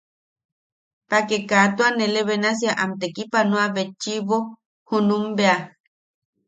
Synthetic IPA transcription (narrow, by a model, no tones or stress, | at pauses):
pakekat̪uaneleβenas̬jaʔamt̪ekipanoaβet͡ʃːiβo | hunumbea